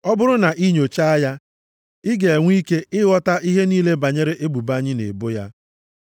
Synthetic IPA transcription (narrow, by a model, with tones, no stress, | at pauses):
ɔ˦bʊ˦ɾʊ˦na˨ʔi˦ɲo˨t͡ʃa˦a˦ja˦ | ɪ˦ɡe˨e˨ŋʷ˦i˦ke˦ɪ˦ɣɔ˦ta˦ʔi˦ɦe˦niː˦le˦ba˨ɲe˦ɾe˦ʔe˦bu˨ba˦ɲɪ˦nḛ˨bʊ˦ja˦